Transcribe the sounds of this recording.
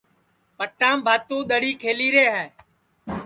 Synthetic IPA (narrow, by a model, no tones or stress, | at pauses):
pəʈːãːmbʱaːt̪õːɗ̪əɽiːkʰeːliːɾeːɦɛː